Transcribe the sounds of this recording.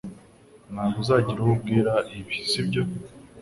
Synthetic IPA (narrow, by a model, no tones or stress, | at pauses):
nhaːɡuzaːɟiɾuub̚ɡiːɾaiβisibɟo̞